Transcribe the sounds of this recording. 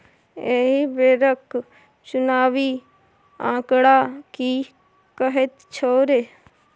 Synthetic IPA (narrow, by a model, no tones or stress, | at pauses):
eːɦibeːɾək | t͡ʃʊnaːʋiː | ã̰ːkɽaːkiː | kəɦɪt̪t͡ʃʰoːɾeː